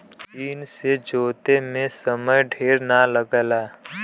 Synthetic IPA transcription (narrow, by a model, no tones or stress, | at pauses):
iːnsed͡ʒoːt̪emẽsəməjɖʱeːɾnaləɡəlaː